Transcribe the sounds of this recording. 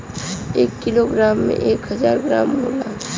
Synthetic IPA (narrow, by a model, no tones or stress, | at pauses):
eːkːiloɡɾaːmːḛ̃ʔeːkɦəzaːɾɡɾaːmɦola